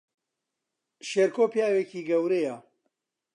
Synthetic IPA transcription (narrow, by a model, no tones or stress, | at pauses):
ʃeːɾkoːpjaːwekiːɡɐwɾejɐ